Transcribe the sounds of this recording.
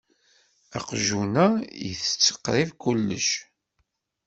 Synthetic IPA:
a̰qʒunæjə̰θə̥t͡sːə̥qɾivkʊlːə̰ʃ

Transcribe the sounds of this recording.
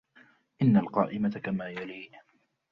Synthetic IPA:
ʔɪnːalqɑ̰ːʔɪmakamaːjaliː

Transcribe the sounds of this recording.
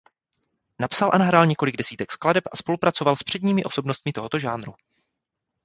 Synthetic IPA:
napsalʔanaɦɾaːlɲɛkolɪɡdɛsiːt̪ɛkskladɛpʔaspo̞lupɾat͡so̞valspr̥ɛdɲiːmɪʔo̞so̞bno̞st̪̚mɪt̪o̞ɦo̞t̪o̞ʒaːnɾu

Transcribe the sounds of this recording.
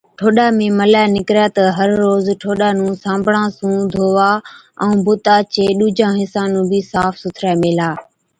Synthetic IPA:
ʈʰoːɗaːmẽːməlaːnɪkɾaːt̪əɦəɾːoːzʈʰoːɗaːnũːsãːmbʱɽãːsũːd̪ʱoːʋaːɛ̃ũːbʊt̪aːt͡ʃeːɗuːd͡ʒãːɦɪsãːnũːbiːsaːfsʊt̪ʰɾaːmeːlaː

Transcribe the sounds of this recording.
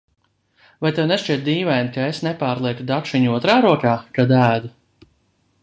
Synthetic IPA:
vajt̪ewneʃt͡ʃiɛt̪̚d̪iːvɛjnkaesnepaːɾlˠiɛk̪ud̪atʃiɲuɔt̪ɾaːɾuɔkaːkad̪æːd̪u

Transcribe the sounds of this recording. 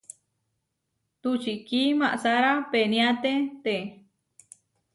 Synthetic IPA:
t̪ut͡ʃiʔkimaʔsaɾapenĩat̪et̪e

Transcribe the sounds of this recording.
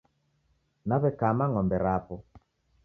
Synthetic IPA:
naβɛkamaŋɔmbɛɾapɔ

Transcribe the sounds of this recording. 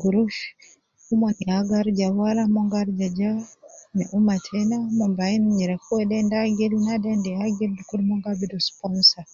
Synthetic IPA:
ɡuɾuʃ | umaniaɡaɾd͡ʒawaɾamɔŋɡaɾd͡ʒad͡ʒanɛ̰ʔumatʰɛnamɔmbainɲiɾɛkɔwɛdɛndaɡɛlinadɛndɛaɡildukuɾmɔŋɡabidɔspɔnsa

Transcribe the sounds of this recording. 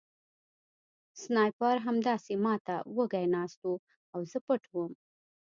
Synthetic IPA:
snɑjpɑɾɦamd̪ɑsemɑt̪awəɡajnɑst̪u | awzəpəʈwəm

